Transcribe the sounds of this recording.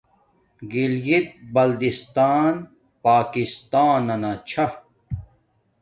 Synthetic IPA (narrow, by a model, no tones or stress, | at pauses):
ɡiljit̪̚bɐld̪ist̪aːn | paːkist̪aːnɐnɐt͡ɕʰɐ